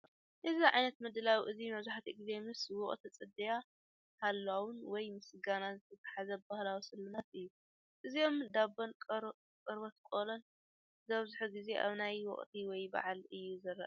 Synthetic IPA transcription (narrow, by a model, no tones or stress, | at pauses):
ʔɨziʕajnɐt̪mɨd̪ɨlawiʔɨzimɐβzuħat̪ʰiɨɡzemɨswɔχʼt̪ʰit͡sʼɨd̪ɐja | halːawʊnwɔjmɨsɡanazɨt̪ʰɐt̪ʰḁħazɐbahlawisɨlmɨnat̪ɨjːu | ʔɨzio̞md̪abonkʼ | kʼɨɾbot̪kʼolon | zɐβzuħuɡize̞ʔa̰βnajwɔ̰χʼt̪ʰiwɔjba̰ʕalɨjːuzɐɾːɐʔ